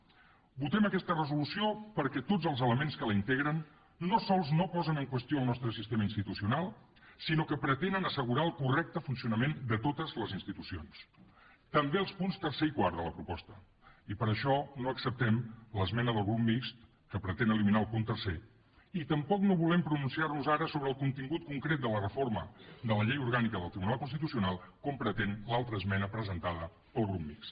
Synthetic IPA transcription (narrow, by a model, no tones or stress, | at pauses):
but̪ɛməkɛst̪ərəzulusiopəɾkɛt̪od͡zəlˠzələmenskələint̪eɣɾənː | osɔlˠznopɔzənəŋkwəst̪ioəlˠnɔst̪ɾəsist̪eməinst̪it̪usiunalˠ | sinokəpɾət̪enənəsəɣuɾaəlˠkurɛk̚t̪əfunsiunəmend̪ət̪ot̪əzləzinst̪it̪usio̰ns | t̪əmbeəlˠspunst̪ərseikwaɾðələpɾupɔst̪ə | ipəɾəʃɔnoəksəp̚t̪ɛmləzmɛnəðəlˠɣɾup̚mikst̪ | kəpɾət̪enəliminaəlˠpunt̪ərse | it̪əmpɔknoβulɛmpɾununsiarnuzaɾəsoβɾəːlˠkunt̪iŋɡut̪̚kuŋkɾet̪̚d̪ələrəforməd̪ələʎejuɾɣanikəðəlˠt̪ɾiβunalˠkunst̪it̪usiunalˠkompɾət̪enlalˠt̪ɾəzmɛnəpɾəzənt̪aðə | pəlˠɣɾupmikst̪